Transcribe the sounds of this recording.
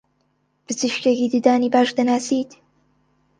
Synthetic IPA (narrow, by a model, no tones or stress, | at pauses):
pɨzɨʃkekiːd̪ɨd̪aːniːbaːʃd̪ɐnaːsiːd̪